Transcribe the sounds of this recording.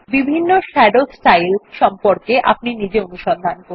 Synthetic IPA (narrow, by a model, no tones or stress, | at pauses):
bibʱinːoʃɛɖosʈajlʃɔmpoɾkeʔa̰pninid͡ʑeonuʃɔnd̪ʱankoɾ